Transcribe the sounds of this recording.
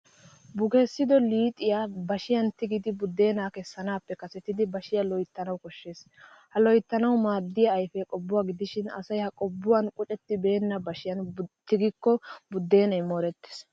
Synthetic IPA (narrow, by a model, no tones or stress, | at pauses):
bʊɡesːɪd̪ɔliːt̪ʼɪjabɐʃɪjɐnt̪ɪɡɪd̪ɪbʊd̪ːe̞ːnaːkɛsːɐnaːpːɛkɐsɛt̪ːɪd̪ɪbɐʃɪjɐlɔjt̪ːɐnɐwkɔʃːe̞ːs | hɐlɔjt̪ːɐnɐwmaːd̪ːɪjɐːjfɛkʼɔbːʊwaɡɪd̪ɪʃɪnɐ̰sɐjhɐkʼɔbːʊwɐnkʼʊt͡ʃʼɛt̪ːɪbe̞ːnːɐbɐʃɪjɐnt̪ɪɡɪkːɔbʊd̪ːe̞ːnɐjmoːɾɛt̪ːe̥s